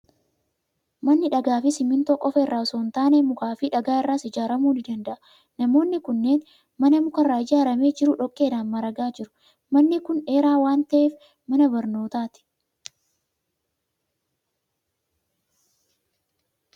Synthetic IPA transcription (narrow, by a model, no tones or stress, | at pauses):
mɐnːɪᶑɐɡaːfɪsɪmːɪnt̪oːkʼɔfɐɪrːaːɔsoːnt̪aːneːmʊkaːfɪᶑɐɡaːɪrːaːsɪd͡ʒaːɾɐmuːnɪd̪ɐnd̪ɐʔɐ̥ | nɐmo̞ːnːɪkʊnːe̞ːn | mɐnɐmʊkɐraːɪd͡ʒaːɾɐme̞ːd͡ʒɪɾʊᶑɔkʼːe̞ːdaːnmɐɾɐɡaːd͡ʒɪɾʊ̥ | mɐnːɪkʊne̞ːɾaːwaːnt̪ɐʔeːf | mɐnɐbɐɾno̞ːt̪aːt̪ɪ̥